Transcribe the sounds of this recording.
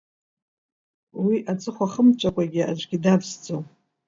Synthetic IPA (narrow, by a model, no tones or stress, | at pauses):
wiʔat͡sʼɨχʷaχəmt͡ʃʷʰʼakʷʼaɡʲɪa̰d͡ʒʷɡʲidabzd͡zow